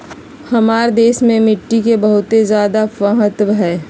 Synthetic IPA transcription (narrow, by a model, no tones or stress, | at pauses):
hɐmaːɾd̪eːʃmẽmɪʈːikebɐɦʊt̪ezjaːd̪apəɦət̪ʋɦɛː